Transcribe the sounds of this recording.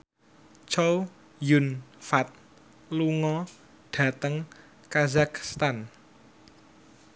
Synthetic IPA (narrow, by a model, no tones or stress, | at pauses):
t͡ʃow | jʊnfat̪̚ | luŋɔ | ɖ̥ä̤t̪əŋ | kazakst̪an